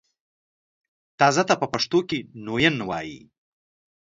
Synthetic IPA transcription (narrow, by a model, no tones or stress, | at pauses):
t̪ɑzat̪apəpaʂt̪okenojənwɑ̰jḭ